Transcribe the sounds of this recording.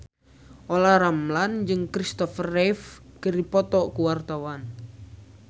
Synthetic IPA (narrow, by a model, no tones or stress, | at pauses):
ʔolaɾamland͡ʒɨŋkɾist̪ɔfərɛfkəripɔt̪ɔkuwart̪awan